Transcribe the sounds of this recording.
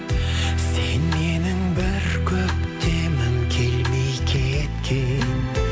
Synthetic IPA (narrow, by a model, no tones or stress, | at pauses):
senmenɪŋbɪɾkʲʰɵp̚t̪ʰemɪŋkʲʰelmejkʲʰet̪kʲʰen